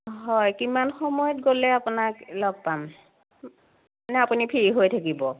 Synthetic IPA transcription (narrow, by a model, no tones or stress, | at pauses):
ɦɔjkimanxɔmɔjɔtɡolɛapunaklɔɡ̚pam | anɛapunipʰiɹiɦojtʰak̬ibɔ